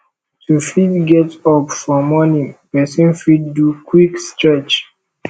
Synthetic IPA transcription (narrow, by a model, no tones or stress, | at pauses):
tʰufitɡɛtɔpfɔmɔnĩpɛsĩnfiddukwikst͡ʃat͡ʃ